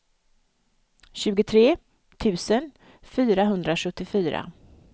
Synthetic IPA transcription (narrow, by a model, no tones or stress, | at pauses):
ɕʉ̟ːɡʊt̪ʰɾeː | t̪ʰʉ̟ːsən | fyːɾaɦɵnd̪ɾaʂɵt̪ːɪfyːɾa̰